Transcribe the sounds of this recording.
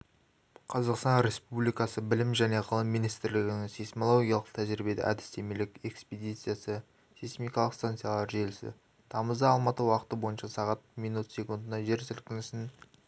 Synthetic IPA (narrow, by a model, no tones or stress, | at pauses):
qʰɑzɑqst̪ɑnɾʲe̞spublijkɑsəbɪlɪmʒæne̞ʁʰəlˠəmːijnijst̪ɪɾlɪɡʲɪnɪŋsisʲmolˠo̞ɡʲijɑlˠəq̚t̪ʰæʒɾibe̞d̪ɪ̰ʔæ̰d̪ɪ̥st̪e̞melɪke̞ksped̪ijt̪sɨjasə | sist̪emijkɑlˠəqst̪ant̪sijalˠɑɾʒelɪsɪ̰ | t̪ʰɑməzd̪ɑːlˠmɑt̪əwɑqət̪əbo̞jənʃɑsɑʁɑt̪̚mijnut̪sʲe̞kund̪ənɑʒe̞ɾsʏlkʲɪnɪsɪn